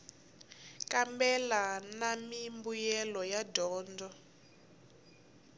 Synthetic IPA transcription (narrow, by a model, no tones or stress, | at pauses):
kambɛlanamimbujɛlɔjadʱɔːndʱɔ